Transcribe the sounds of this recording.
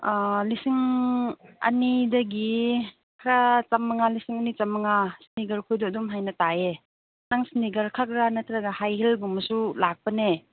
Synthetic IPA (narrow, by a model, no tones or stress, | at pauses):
lisiŋ | ɐ̰nidɐɡi | kʰɾat͡ʃamːaŋalisiŋɐnit͡ʃamːɐŋasiniɡɐɾkʰujdɔdumɦajnɐtae | naŋsiniɡɐɾkʰak̚ɾanatʰɾaɡahajhelbumɐsulak̚pɐne